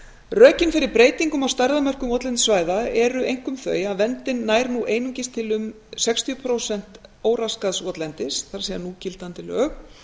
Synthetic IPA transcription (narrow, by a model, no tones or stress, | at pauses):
rœːcɪnfɪɾɪɾpɾeːjt̪iŋkʏmawst̪ajɾðamœr̥kʏmɔt̪lɛnt̪svaːjðaɛɾʏejŋ̥kʏmθœ̰ːjaðvɛnt̪ɪnːaːjɾnuʔeːjnʏɲcɪst̪ʰɪlʏm | sɛkst̪ʰiʏpʰɾowsɛn̥t̪oːwɾaskaðsɔt̪lɛnt̪ɪsθaɾ̥sɛanucɪlt̪ant̪ɪlœ̰ːɣ